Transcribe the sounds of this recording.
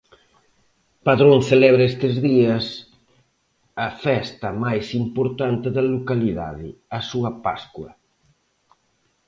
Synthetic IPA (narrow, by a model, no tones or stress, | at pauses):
paðɾoŋθelɛβɾɐest̪ɪzðiɐs | ɐfɛst̪ɐmajsimpoɾt̪ant̪ɪðɐlokaliða̰ðɪ̰ɐsuɐpaskwɐ